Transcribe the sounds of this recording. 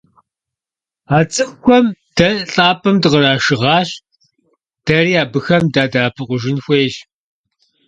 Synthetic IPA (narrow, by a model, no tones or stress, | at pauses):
aːt͡sʼɨχkʷʰɔmd̥ɐɬʼaːpʰʼɐmdɨʁəɾaːʃɨʁɑːɕ | d̥ɐriːaːbɨxɐmdaːdaːpʰɨqʷʊʒɪnxʷeːʒ